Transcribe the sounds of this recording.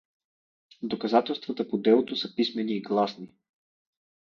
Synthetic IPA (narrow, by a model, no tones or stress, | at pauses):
d̪okɐzat̪ɛlˠst̪vət̪əpod̪ɛlˠot̪osɐpismɛniːɡlˠasni